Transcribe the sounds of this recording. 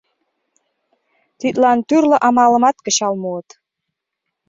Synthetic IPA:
t̪it̪lɑnt̪yrlə̆ʔɑmɑlə̆mɑt̪̚kə̆ɕɑlmuɤt̪

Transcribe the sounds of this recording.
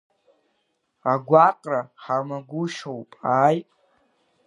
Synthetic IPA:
aɡʷaqʼraχamaɡʷʊʃowpʼaːjtʼ

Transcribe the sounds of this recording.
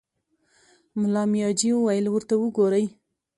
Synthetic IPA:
mʊlɑmjɑd͡ʒiwuwajəlwəɾt̪awəɡoɾəj

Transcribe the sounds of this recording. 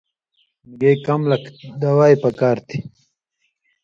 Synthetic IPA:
mɡejkɐmlɐkd̪awaːjpɐkaːɾt̪ʰi

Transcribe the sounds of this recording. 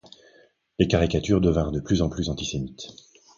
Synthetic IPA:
lekaʁikat̪yʁd̪əvɛ̃ʁd̪əplyzɑ̃plyzɑ̃t̪isemit̪

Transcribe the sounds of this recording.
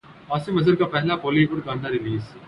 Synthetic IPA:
aːsɪmɐzəɾkapɛɦlapɔːlibʊʈɡãːnnːaɾɪliːz

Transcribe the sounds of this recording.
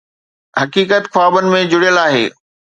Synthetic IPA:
hɐkiːkət̪xwaːbənɪ̆mẽd͡ʑʊɽjəlaːɦḛː

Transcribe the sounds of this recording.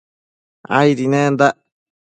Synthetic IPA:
a̰jɾinẽːnd̪a

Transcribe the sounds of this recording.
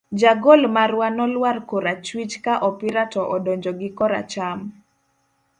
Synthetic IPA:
d͡ʒaɡɔlmaɾwanɔlwarkoɾat͡ʃwit͡ʃkaʔɔpiɾatɔʔɔdɔɲd͡ʒɔɡɪkɔɾa̰t͡ʃam

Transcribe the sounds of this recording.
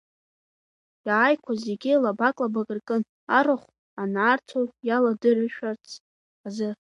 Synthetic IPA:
jaːjkʷʰazeɡʲilabakʼlabaɡʼɨrkʼɨn | aɾɨχʷ | anaːrtʰojaladɨrɨʃᶣart͡sʰ | azɨ

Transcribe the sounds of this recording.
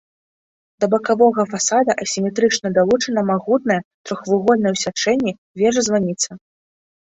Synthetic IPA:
d̪ɐbɐkavɔɣɐfasad̪ɐʔɐsʲimʲɛt̪ɾɨt͡ʂnɐd̪alˠut͡ʂɐnɐmaɣut̪̚nɐjɛt̪ɾɔxvuɣɔlʲnɐjɛwsʲat͡ʂɛnʲːi | vʲɛʐɐzvanʲit̪sɐ

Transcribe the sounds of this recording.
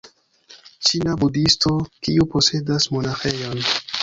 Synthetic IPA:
t͡ʃinabudisto̞kiupo̞se̞dasmo̞naxe̞jo̞n

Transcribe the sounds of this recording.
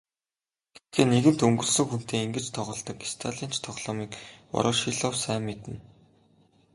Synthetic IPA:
ɡ̥e̥t̪̚ɡeːneɣɘ̆n̥t̪ɵŋɡɵ̆ɮsɵ̆ŋxun̥t̪eːiŋɡɘ̆t͡ɕt̪ʰɔʁɞ̆ɮt̪ɞ̆kist̪ʰaɮin̥t͡ɕt̪ʰɔʁɮ̥ɔːmiːkɔ̰ɾʔɔ̆ːʃiɮɔwsæːmːet̪ɘ̆n

